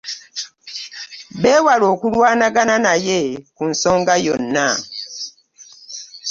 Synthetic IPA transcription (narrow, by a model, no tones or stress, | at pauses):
beːwaloːkulwaːnaɡananajekunsoːŋɡajonːa